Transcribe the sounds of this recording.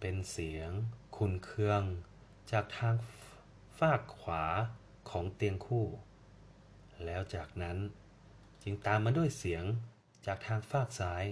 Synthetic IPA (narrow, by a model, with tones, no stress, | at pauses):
pe˧nsi˩˦əŋkʰu˨˧˩nkʰɯ˧əŋ | t͡ɕaː˨˩k̚t̪ʰaː˧ŋ | faː˥˩kʰːwaː˩˦ | kʰɔː˩˦ŋt̪i˧əŋkʰuː˥˩ | lɛː˦˥wt͡ɕaː˨˩k̚na˦˥n | t͡ɕi˧ŋt̪aː˧mːaː˧du˥˩əjsi˩˦əŋ | t͡ɕaː˨˩k̚t̪ʰaː˧ŋfaː˥˩k̚saː˦˥j